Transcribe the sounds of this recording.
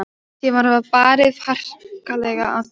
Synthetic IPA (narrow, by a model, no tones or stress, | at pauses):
jɛvaɾhavapaːɾɪðfar̥kalɛɣaað